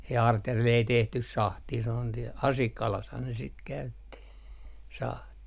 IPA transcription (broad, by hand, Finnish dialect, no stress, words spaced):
jɑ ɑrtjærʋel ei tehtys sɑhtiː sĕ on siel ɑsikːɑlɑshɑn ne sit kæytːi sɑhtiˑ